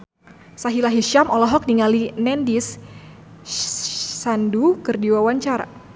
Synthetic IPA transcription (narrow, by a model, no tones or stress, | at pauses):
saɦilaɦiʃamɔlɔɦɔk̚niŋalinɛndis | andukɨrdiwawaɲt͡ʃaɾa̰